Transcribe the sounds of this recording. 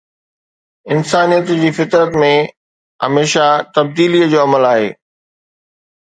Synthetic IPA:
ɪnsaːnijət̪ʊd͡ʑiːfɪt̪ɾət̪mẽ | ɦɐ̰meːʃat̪ɐb̚d̪iːliəd͡ʑoːɐməlaːɦḛː

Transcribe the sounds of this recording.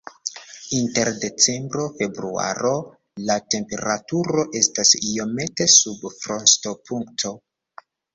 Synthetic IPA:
inte̞ɾde̞t͡se̞mbɾo̞fe̞bɾua̰ɾo̞ | late̞mpe̞ɾatuɾo̞ʔe̞stasio̞me̞te̞subfɾo̞nsto̞pʰuŋktʰo̞

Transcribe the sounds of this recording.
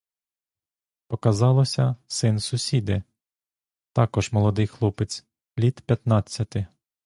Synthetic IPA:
pɔkɐzɑlˠɔsʲɐsɪnsʊsʲid̪ɪ | t̪ɑkɔʒmɔlˠɔd̪ɪjxlˠupɪt͡sʲ | lʲit̪pʲjɐt̪nɑt͡sʲːɐt̪ɪ

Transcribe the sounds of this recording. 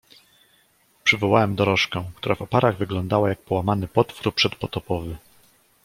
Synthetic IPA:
pʂɘvɔwawɛmd̪ɔɾɔʂkɛw̃k̚t̪uɾavɔpaɾaɣvɘɡlɔnd̪awajak̚pɔwamanɘpɔt̪fuɾpʂɛt̪pɔt̪ɔpɔvɘ

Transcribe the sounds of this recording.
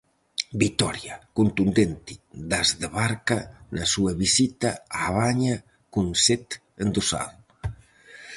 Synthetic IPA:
bit̪ɔɾjakunt̪und̪ent̪id̪azðəβaɾkanasuaβizit̪aaβaɲa | kunset̪ | ənd̪usa̰l

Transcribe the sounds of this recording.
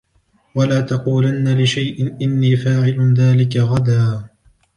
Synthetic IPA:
walaːt̪ɑquːlanːalɪʃajʔɪnʔɪnːiːfaːʕɪlʊðaːlɪkaɣad̪aː

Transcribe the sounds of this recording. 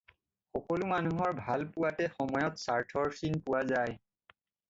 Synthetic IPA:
xɔkɔlʊmanuɦɔɹbʱalpʊwatɛxɔmɔjɔtsaɹtʰɔɹsinpʊwazaj

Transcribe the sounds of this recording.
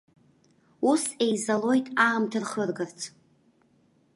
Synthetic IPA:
use̞jzalo̞jtʼaːmtʰɨrχərɡɨrt͡sʰ

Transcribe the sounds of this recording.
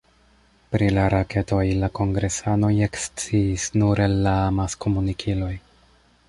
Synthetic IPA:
pɾilaɾake̞to̞jlako̞ŋɡɾe̞sano̞je̞kst͡siːsnuɾelːamasko̞munikʰilo̞j

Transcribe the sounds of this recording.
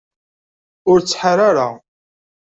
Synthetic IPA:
ʊɾt͡sːħaɾaɾa

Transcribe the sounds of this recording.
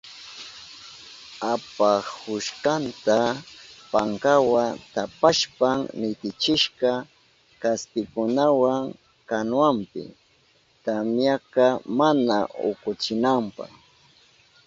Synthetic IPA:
apahʊʃkant̪apaŋkawat̪apaʃpaŋnɪt̪ɪt͡ʃɪʃɢɑ | kasp̪ɪkʊnawaŋ | kanwampɪ̰ | t̪amjakɑmana̰ʊ̰kʊt͡ʃɪnampɑ̰χ

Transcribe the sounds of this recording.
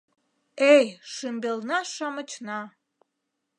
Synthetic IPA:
ejʃɨmbelnɑʃɑmət͡ɕnɑ

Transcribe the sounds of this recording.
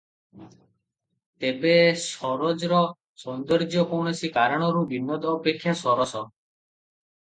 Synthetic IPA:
t̪ebesɔɾɔd͡ʒɾɔ | sɔnd̪ɔɾd͡ʒjɔkɔɳ̃ɔsikaɾɔɽ̃ɔɾubinːɔt̪ɔːpekʰːjasɔɾɔsɔ

